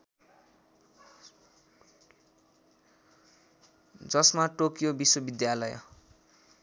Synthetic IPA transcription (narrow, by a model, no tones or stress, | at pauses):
d͡zʌsmaʈokjobiswʌbid̪jalʌj